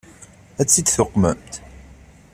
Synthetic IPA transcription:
æt͡sːid̪θʊqːmə̰mt̪

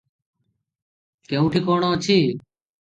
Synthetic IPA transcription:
keũːʈʰiːkoːɳoːt͡ʃʰiː

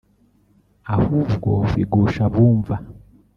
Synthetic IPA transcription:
ahuvɡofiɡoʃaβuːɱva

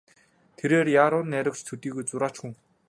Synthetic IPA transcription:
t̪ʰeɾeːrjaːɾʊːnːæɾʲə̆k̚t͡ɕt̪ʰɵt̪iːɣojt͡sʊɾaːt͡ɕxuŋ

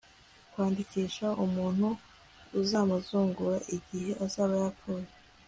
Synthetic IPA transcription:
kwaːndikiːʃaʔumuːn̥huː | zaːmuzuːŋɡuɾaʔiɟihe̞ʔazaːβajakʰoje

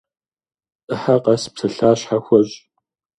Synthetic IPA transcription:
ʔəħaqɐspsɐɬaːɕħaxʷɐʑʼ

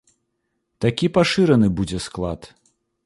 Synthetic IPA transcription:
t̪akʲipaʂɨɾɐnɨbud͡zʲɛsklˠat̪

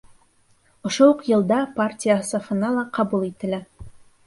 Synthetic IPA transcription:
ŏʃouqjɤ̆lˠd̪ɑpartʲijasɑfɤ̆nɑlˠɑqɑbulˠit̪ɘ̆læ

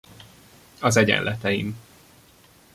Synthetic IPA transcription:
ɒzɛɟɛ̰nlʔɛt̪ɛjḭm

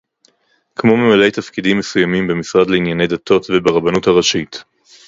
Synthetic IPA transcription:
kmo̞memale̞jtafkidimːe̞sujamimbemisʁadleinjane̞jdato̞tvebeʁabanuthaʁaʃit

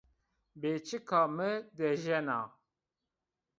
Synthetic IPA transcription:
beːt͡ʃikʰaːmɨd̪ɛʒɛna̰ː

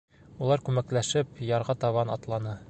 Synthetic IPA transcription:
ulˠɑɾkʉmæklæʃɘpjɒɾʁɑt̪ɒβɑnɒt̪lˠɑnɤ

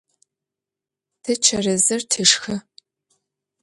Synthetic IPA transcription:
tʰɨt͡ʃʰɐrɨzɨrtʰɨʂxɨ

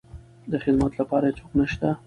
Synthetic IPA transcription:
d̪əxɪd̪mat̪lapɑɾat͡ʃoqnəʃt̪a

